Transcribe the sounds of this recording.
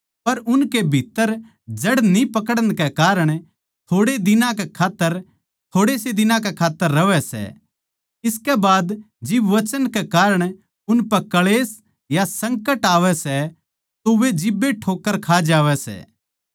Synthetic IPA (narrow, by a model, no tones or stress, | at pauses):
pɐɾʊnkebʱit̪ːəɾ | d͡ʒɐɽnipɐkəɽəñkɛkaːɾəɽ̃ | t̪ʰoːɽed̪ɪnãkekʰaːt̪ːəɾ | t̪ʰoːɽeːsed̪ɪnãk̬ɛkʰaːt̪ːəɾːɐʋɛsɛ̰ | ɪskɛbaːd̪ | d͡ʒɪbʋɐt͡ʃənkekaːɾəɽ̃ | ʊnpɐkɐɭeːs | jasɐ̃ŋkəʈaːʋɛsɛ | t̪oʋed͡ʒɪbːeʈʰoːkːəɾkʰaːd͡ʒaːʋɛsɛ̰ː